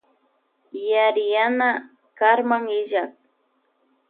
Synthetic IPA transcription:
jaɾɪjana | kaɾmaŋɪʒak̚

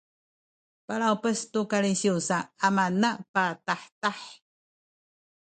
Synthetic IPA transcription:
paɭawpəstukaɭisiusaːmanapataħtaħ

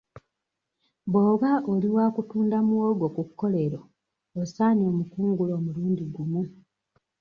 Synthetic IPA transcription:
boːɣaʔoliwaːkutuːndamuwoːɡokukːo̞le̞ɾoː | saːnio̞ːmukuːŋɡulo̞ːmuluːndiɡumu

